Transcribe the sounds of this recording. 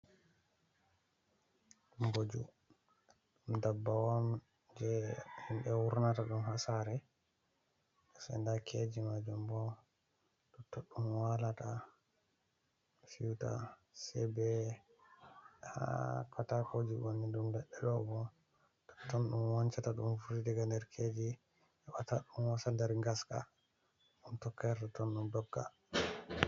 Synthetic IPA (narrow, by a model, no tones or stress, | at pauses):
ɗumɡod͡ʒṵ | ɗumdabːawam | d͡ʒɛhimɓɛwuɾnataɗumhasaɾɛ | sɛ̰ndakʰed͡ʒimad͡ʒumbɔ | tɔtːɔɗumwalata | fiwta̰ | sɛbɛ | a̰kʰatakod͡ʒiwonːidumbɛɗːɛɗɔbɔ | tɔ̥tːɔnɗumwant͡ʃataɗumfuɾidɛɡandɛɾkʰed͡ʒi | ɛwataɗumwasandɛɾŋɡaska̰ | ɗumtɔkːɛɾtatɔnɗundɔɡːa̰